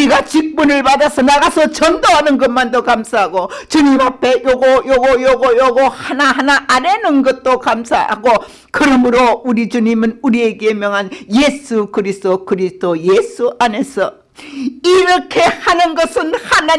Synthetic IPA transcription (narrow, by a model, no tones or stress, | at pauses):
iɡat͡ɕik̚p͈unɯɭpadasʰʌnaɡasʰʌt͡ɕʌndoɦanɯnɡʌmandokamsʰaɦaɡot͡ɕuɲimapʰe̞joɡojoɡojoɡojoɡohanaɦanaaɾe̞nɯnɡʌt̚t͈okamsʰaha̰ɡo | kɯɾʌmɯɾouɾit͡ɕuɲimɯnuɾie̞ɡeemjʌŋɦanjesʰukɯɾisd͈okɯɾisd̥oje̞sʰuʔane̞sʰʌ | iɾʌkʰe̞hanɯnɡʌsʰɯnhana